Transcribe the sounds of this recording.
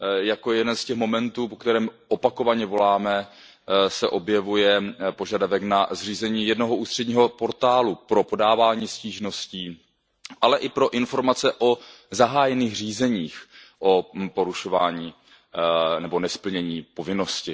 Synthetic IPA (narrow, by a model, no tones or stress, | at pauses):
jakojɛjɛdɛnscɛxmo̞mɛnt̪uːpo̞kt̪ɛɾɛːmʔopako̞vaɲɛvo̞laːmɛ | sɛʔo̞bjɛvujɛpoʒadavɛknazr̝iːzɛɲiːjɛdnoɦoʔuːst̪r̥ɛdɟɲiːɦo̞po̞ɾt̪aːlupɾo̞po̞daːvaːɲiːsciːʒno̞sciː | ʔalɛʔɪpɾo̞ʔɪnfo̞ɾmat͡sɛʔo | zaɦaːjɛniːxr̝iːzɛɲiːx | ʔopo̞ɾuʃo̞vaːɲiː | nɛbo̞nɛspl̩ɲɛɲiːpo̞vɪno̞scɪ